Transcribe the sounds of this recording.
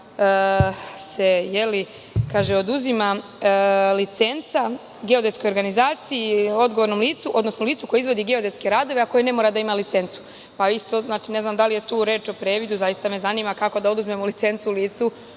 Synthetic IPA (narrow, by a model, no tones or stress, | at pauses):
se̞jeli | kaːʒeo̞d̪uzima | lit̪se̞nt̪sa | ɡeo̞d̪e̞t̪skojo̞ɾɡanizaːt̪sijio̞d̪ɡo̞ʋoɾnomliːt̪suʔo̞d̪no̞snoliːt̪suko̞jeizʋo̞d̪iɡeo̞d̪e̞t̪skeɾaːd̪o̞ʋeako̞jene̞moɾad̪aimalit̪se̞nt̪su̥ | paist̪oznaːt͡ʃine̞znamd̪alije̞t̪uːɾe̞ːt͡ʃo̞pɾe̞ːʋid̪uzajist̪ame̞zaniːmakako̞d̪ao̞d̪uzme̞molit̪se̞nt̪suuliːt̪su